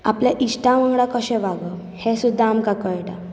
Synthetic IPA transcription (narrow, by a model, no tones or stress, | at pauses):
a̰pljaʔiɕʈãʋə̃ŋɡɽakəɕɛʋaɡə | hesud̪ʱːaːmkakəɭʈa